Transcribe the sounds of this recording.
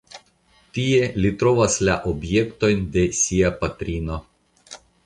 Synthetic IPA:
t̪ʲijɛlʲit̪ɾɔʋɐsʲlʲæʔɔbʲjɛkt̪ojnd̪ʲɛsʲiɛpɐt̪ʲɾʲiːno

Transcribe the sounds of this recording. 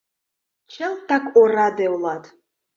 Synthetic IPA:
t͡ʃʰalˠtʰakʷʼoradewlˠatʰʼ

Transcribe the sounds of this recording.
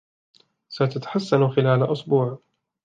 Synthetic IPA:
sat̪at̪ḁħasːanxɪlaːlaʔʊsbuːʕ

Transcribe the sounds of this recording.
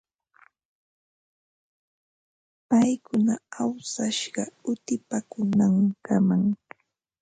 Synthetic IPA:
pajkʊnaawsaʃɢɑʊt̪ɪpakʊnaŋkamaŋ

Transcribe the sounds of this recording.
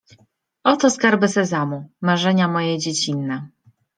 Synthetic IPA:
ɔt̪ɔskaɾbɘsɛzamumaʐɛɲamɔjɛd͡ʑet͡ɕinːɛ

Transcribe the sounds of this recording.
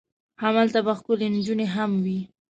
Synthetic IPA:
hamalt̪abaxkʊlend͡ʒuneɦamwi

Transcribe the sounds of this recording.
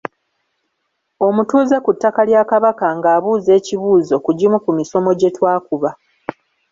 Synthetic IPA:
o̞mutuːzekutːakaljaːkaβakaŋɡaːβuːze̞ːciβuːzo̞kuɟimukumiso̞mo̞ɟe̞twaːkuβa

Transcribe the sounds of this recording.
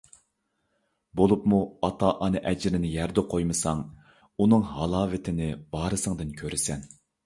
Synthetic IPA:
bolˠupmuɑt̪ʰɑʔɑnɨʔɛd͡ʒɪɾɪnɪjæɾd̪ɛqʰojmɨsɑŋ | unɨŋɦɑlˠɑːvɪt̪ʰɪnɪb̥ɑːɾɨsɨŋd̪ɨnkʲʰøɾɪsɛn

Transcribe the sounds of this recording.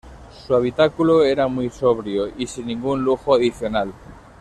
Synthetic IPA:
suaβ̞it̪akuloeɾamujsoβ̞ɾjoisinːĩŋɡunluxoaðiθjonal

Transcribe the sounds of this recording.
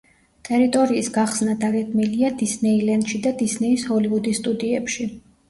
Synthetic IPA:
t̪ʼɛɾit̪ʼɔɾiːsɡaχsnad̪aɡɛd̪ʰʼmiliad̪isnɛilɛnd̪ʃid̪ad̪isnɛishɔlivud̪ist̪ʼud̪iɛpʃi

